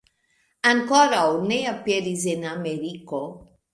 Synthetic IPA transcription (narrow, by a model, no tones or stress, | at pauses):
aŋkɔɾaoneapjeɾizenameɾiko